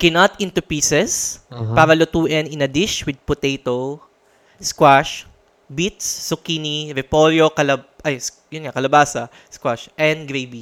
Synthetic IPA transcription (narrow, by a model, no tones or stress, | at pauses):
kɛnat̪ʔɪ̃nt̪ʊpiːsɛspaːɾɐlʊt̪uːʔɛnɪnɐd̪ɪʃwɪd̪̚pʊt̪ejt̪o | skwaʃ | bit̪sːʊkiːniɾɛpoljokɐlɐʔɐjs | jʊnŋakɐlɐbaːsɐ | skwaʃʔɛ̃nd̪ɡɾejbi